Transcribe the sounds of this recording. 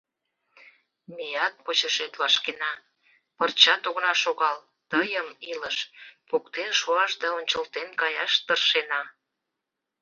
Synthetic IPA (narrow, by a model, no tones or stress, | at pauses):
mejɑt̪̚pot͡ɕəʃet̪βɑʃkenɑ | pərt͡ɕɑt̪oɣnɑʃoɣɑl | t̪əjəmiləʃpokt̪enʃoɑʃd̪ɑonʲt͡ɕəlt̪enkɑjɑ̰ʃt̪ərʃenɑ